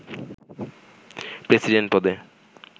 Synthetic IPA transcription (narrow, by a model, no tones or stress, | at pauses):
pɾesiɖeɳʈ̚pɔd̪e